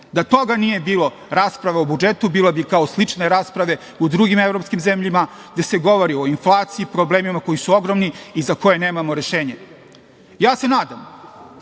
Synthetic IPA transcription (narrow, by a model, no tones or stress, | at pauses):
d̪at̪o̞ɡanije̞biːlo̞ | ɾaːspɾaʋeobud͡ʒet̪ubiːlebikaoslit͡ʂne̞ɾaːspɾaʋe̞ | ud̪ɾuɡimevɾopskimze̞mʎima | ɡd̪ese̞ɡo̞ʋoɾio̞inflˠaːt̪siipɾobleːmimako̞jisuo̞ɡɾomniizako̞jene̞ːmamo̞ɾe̞ʃe̞ːɲe | jaːse̞naːd̪am